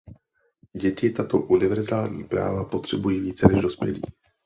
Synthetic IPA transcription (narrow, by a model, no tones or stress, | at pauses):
ɟɛcɪt̪at̪o̞ʔunɪvɛɾzaːlɲiːpɾa̰ːvapo̞t̪r̝̥ɛbujiːviːt͡sɛlɛʒdo̞spjɛ̰lḭː